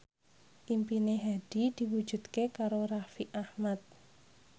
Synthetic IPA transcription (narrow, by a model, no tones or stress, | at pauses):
ʔimpineɦad̥i̤d̪̥i̤wud̥d͡ʒ̥ṳd̪kekaɾorafiʔahmat̪̚